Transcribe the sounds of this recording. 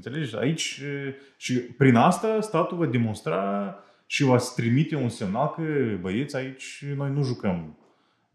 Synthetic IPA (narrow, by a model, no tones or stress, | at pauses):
nt̪se̞le̞d͡ʒea̰it͡ʃʲ | ʃipɾinast̪ast̪at̪uvad̪e̞mo̞nst̪ɾa | ʃivat̪ɾimit̪e̞unse̞mnalkəbəjet̪sʲait͡ʃʲno̞jnuʒukəm